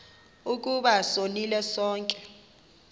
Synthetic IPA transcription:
uk̬ʼuɓasonilɛsɔːŋkʼɛ̥

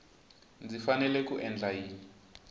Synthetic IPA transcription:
nd͡zifanɛlɛkuʔɛnd͡ɮaɦiːni

